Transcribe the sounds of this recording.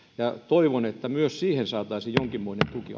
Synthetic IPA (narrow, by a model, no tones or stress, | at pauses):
jɑt̪oiʋonet̪ːæmyøssiːhensɑːt̪ˑɑisijjoŋkimːoinent̪uki